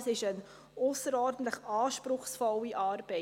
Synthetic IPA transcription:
sɪʃən | ɔːsəɾɔːrdən̩tləχɑːʃprʊχsfɔliʔɑːrbɛ

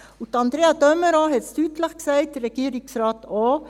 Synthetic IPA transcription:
ut̪ɑnd̪ɾeːɑd̪œməɾɑhɛt̪st̪ʉːt̪lɑksæɪt̪ɾɛɡ̥iːɾɪŋsɾɑːt̪oː

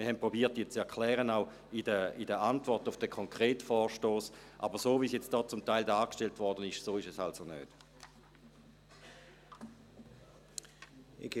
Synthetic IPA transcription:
mɪɐhɛnpʁobiːɐt̚ːiːt͡sɛɐkʰlɛːʁənaʊ | idəidəʔantvɔɐtʊfd̥əkʰɔŋkʁeːtfɔːʃtoːsʔa̰bəʁsoːviːsjɛt͡std̥ɔːt͡sʊmtaɪldɑːkʃteltvɔʁdənɪʃsoːɪʃɛsalsonø̰ːt

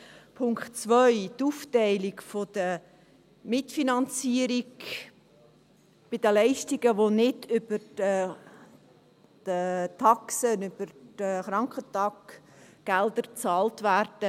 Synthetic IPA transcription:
pʰʊŋkχtt͡svœʏtuftɛɪlɪɡfod̥ə | mɪtfinɑnt͡siəɾiɡ | b̥ɪd̥əlɛɪʃtiɡəʋonɪdʏb̥əɾə | d̥ətʰɑksənʏb̥əɾd̥əχɾɑŋkχətɑk | ɡ̥ɛldəɾt͡sɑːltværd̥ə

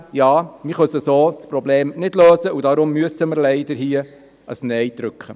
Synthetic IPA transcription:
jɑːmɪχœsəsoːspɾɔbleːmnɪdløːsəudɑɾʊmːyəsəməɾlɛɪd̥əɾɦiːə | əsnɛjd̥ɾʏkχə

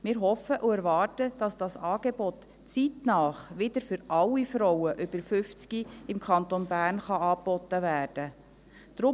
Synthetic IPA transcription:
mɪːɾɦɔfəʔuɛɾʋɑːrtəd̥ɑsd̥ɑsɑːɡ̥ebɔt | t͡sitnɑːχʋɪdəɾfʏɾʔɑlːifɾɔwəʔʏb̥əɾfʏft͡sɡiɪmkʰɑnt̪onbæːrnχɑɑːpːɔt̪ːəvæːrd̥ə | d̪̥ɾʊ

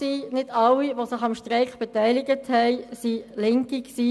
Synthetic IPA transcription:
siːnɪdɑlːiʋosɪχɑmʃtʁɛɪkχb̥ɛtɛɪlɪɡəthɛɪsilɪŋkiksiː

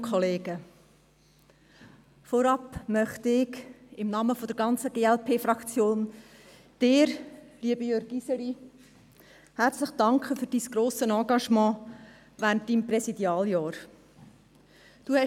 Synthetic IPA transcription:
kʰχɔleːɡə | fɔɾɑpmœχtɪkɪmnɑːməfɔd̥̪əɾɡɑnt͡səɡeːɛlpʰeːfɾɑkt͡sjoːn | d̥ɪːɾliəbəjøːɾɡisəɾi | hæɾt͡sləχd̥ɑŋkχəfʏɾd̥iːsɡ̥ɾoːsənɑ̃ːɡɑʃmɑ̃ː | ʋæːɾnt̚d̥iːmprɛsid̥jɑːljɑːɾ | d̥uːhɛ

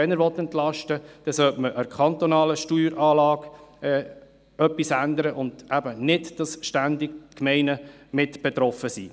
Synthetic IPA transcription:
ɛnəɾʋɔt̪ːɛnt̪lɑʃtəd̥ɛsœtməʔəkχɑnt̪ɔnɑːləʃtyːɾɑːlɑːɡɛː | œpːisændəɾəʔʊnd̥ʔæbənɪdd̥ɑsʃtændɪkmɛɪnəmɪtb̥ɛt̪ɾɔfəsḭː

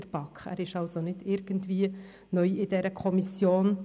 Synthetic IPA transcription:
əɾb̥ɑkχæ̰ːɾɪʃɑlsonɪd̥ɪɾɡ̥əntviːə | nœʏɪdɛɾəkʰɔmisjoːn

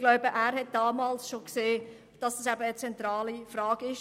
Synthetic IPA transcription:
ɡlɔʊbəʔæːɾhɛt̚d̥ɑːmɑːlsʃokseː | d̥ɑsd̥ɑsæbəət͡sɛnt̪ɾɑːlifɾɑːɡ̥ɪʃ

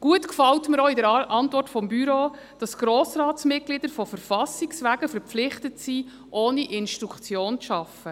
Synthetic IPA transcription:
ɡ̥uətkfɑltməɾɔːidəɾʔɑntvɔrtfɔmbyɾoː | d̥ɑsɡ̥ɾoːsrɑːtsmɪt̚ɡ̥lid̥̪əɾfɔfəɾfɑsiksʋæːɡ̥əfəɾpflɪχtətsiː | ʔoːniʔɪnʃtɾukʰt͡sjoːnt͡sʃɑfə

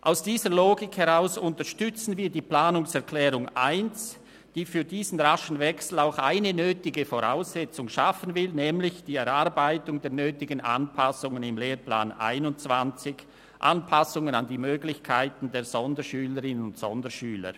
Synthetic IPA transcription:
ʔa̰ʊsd̥iːzəloːɡɪkhɛʁaʊsʊntəʃtʏt͡sn̩viːɐdiːpl̥aːnʊŋsɛɐkʰlɛːʁʊŋʔa̰ɪnt͡s | d̥iːfyːdiːzn̩ʁaʃn̩vɛksl̩aʊxa̰ɪnənøːtɪɡəfoʁa̰ʊsɛt͡sʊŋʃafənvɪlnɛːmlɪçd̥iːɛʁaɐbaɪtʊŋdeːɐnøːtɪɡənʔa̰npʰasʊŋənɪmleːʁpla̰ːnʔa̰ɪnʊnt͡sv̥ant͡sɪç | ʔanpʰasʊŋənandiːmøːɡlɪçkʰaɪtn̩deːɐz̥ɔndəʃyːləʁɪnənʊntsɔ̰ndəʃyːlə̰

